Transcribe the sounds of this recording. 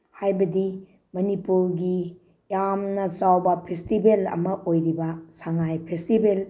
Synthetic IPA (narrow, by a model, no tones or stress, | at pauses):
hajbɐdi | mɐnipuɾɡi | jamnɐt͡ʃawbɐpʰestibelɐ̰mɐʔojɾibɐsaŋajpʰestibel